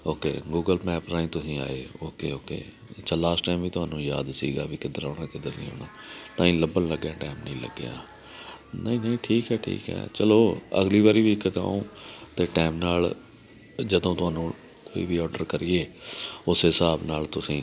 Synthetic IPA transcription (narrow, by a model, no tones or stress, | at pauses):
oːkḛːɡuːɡəlmɛːpɾaːĩːt̪ʊsĩːa̰ːeːoːkeːoːkḛː | t͡ʃalaːsʈʈaːmʋiːt̪ʊaːnũːja̰ːd̪sḭːɡa̰ːbiːkɪd̪əɾoːnãːkɪd̪əɾnḭ̃ːo̰ːnaːt̪ãːĩːləbənləɡjãːʈaːmnəĩːlə̰ɡja̰ː | nəĩːnəĩːʈʰiːkɦɛːʈʰḭːkɦɛ̰ːt͡ʃəloːə̰ɡliːʋaːɾiːʋiːkːət̪a̰ːõːt̪eːʈɛːmnaːl | d͡ʒəd̪õːt̪ʊɦaːnũː | koːiːʋiːɔːɖəɾkəɾiːeːʊsɦɪsaːbnaːlt̪ʊsĩː